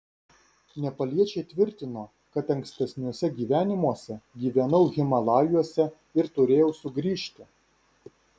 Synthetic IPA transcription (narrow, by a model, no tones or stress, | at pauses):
nʲɛpɐlʲiɛt͡ʃʲɛɪt̪ʲʋʲɪɾʲt̪ʲɪnoː | kɐt̪ɐŋksʲt̪ʲɛsʲnʲuɔsʲɛɡʲiːʋʲæːnʲɪmuɔsʲɛɡʲiːʋʲɛnɐʊɣʲɪmɐlˠɑːjuɔsʲɛ | ɪɾt̪ʊɾʲeːjɛʊsʊɡɾʲiːʃʲt̪ʲɪ